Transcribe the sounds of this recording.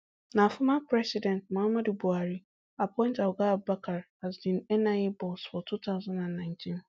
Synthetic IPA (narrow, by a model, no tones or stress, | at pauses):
nãafʊmãpʰɾɛsidɛ̃nt̚mãhamãdubuaɾi | apʰɔ̃ɪ̃ntawɔɡabakʰaɾhazbĩnɛnãebɔlsfɔtʰutʰaʊzãnãnːãɪ̃ntʰĩn